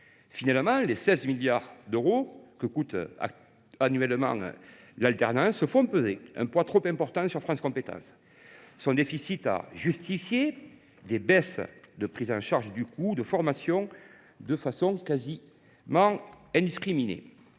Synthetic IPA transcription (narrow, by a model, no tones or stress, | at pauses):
finalmɑ̃lesɛzmiljaʁd̪øʁokəkut̪a̰ | anyɥɛləmɑ̰̃ | lalt̪ɛʁnɑ̃səfɔ̃pøzeɛ̰̃mpwat̪χɔpɛ̃mpɔʁt̪ɑ̃syʁfχɑ̃skɔ̃mpet̪ɑ̰̃s | sɔ̃d̪efisit̪a̰ʒyst̪ifje | d̪ebɛsd̪əpχizɑ̰̃ʃaʁʒəd̪ykud̪əfɔʁmasjɔ̃ | d̪əfasɔ̃ŋkazi | mɑ̃ɛ̃d̪iskχiminḛ